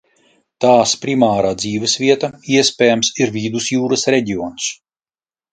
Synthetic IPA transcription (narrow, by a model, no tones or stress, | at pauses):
t̪aːspɾimaːɾaːd̪ziːvɛsvʲiɛt̪aiɛsʲpʲɛːjamsiɾvʲid̪usjuːɾɐsɾɛɟiɔːns